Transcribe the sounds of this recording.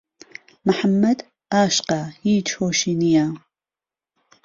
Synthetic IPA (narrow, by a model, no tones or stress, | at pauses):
məħamːɐd̪ | aːʃqahiːt͡ʃhoːʃinija